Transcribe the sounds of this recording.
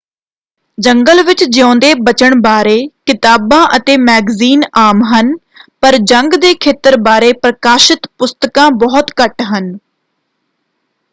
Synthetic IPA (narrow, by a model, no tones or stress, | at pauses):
d͡ʒəŋɡəlʋɪt͡ʃd͡ʒõːnd̪eːbət͡ʃəɳbaːɾeːkɪt̪aːbãːʔət̪eːmɛːɡziːnaːmɦən | pəɾd͡ʒəŋɡd̪eːkʰeːt̪əɾbaːɾeːpɾəkaːʃɪt̪pʊst̪əkãːbɔːt̪kəʈɦən